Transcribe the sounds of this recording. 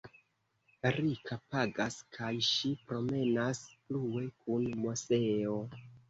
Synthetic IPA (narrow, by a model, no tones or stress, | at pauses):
ɾikʰapaɡaskʰajʃipɾo̞me̞nasplue̞kʰunmo̞se̞o̞